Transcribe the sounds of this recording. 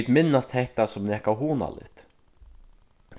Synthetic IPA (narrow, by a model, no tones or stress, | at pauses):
t̪mɪnːast̪hɛht̪asʊmnɛːhkawɦuːna̰lɪ̰t̪